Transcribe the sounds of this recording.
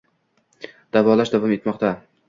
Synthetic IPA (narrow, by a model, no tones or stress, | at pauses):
d̪̥avɒlaʃd̪avɒme̞t̪mɒqt̪a